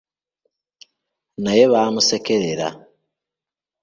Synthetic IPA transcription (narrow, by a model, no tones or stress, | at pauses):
najeβaːmusekeɾeɾa̰